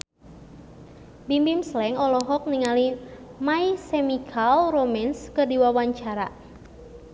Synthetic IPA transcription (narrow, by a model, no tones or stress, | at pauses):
bimbimslɛŋɔlɔɦɔk̚niŋalimaisemikʰalromɛnskərdiwawaɲt͡ʃaɾa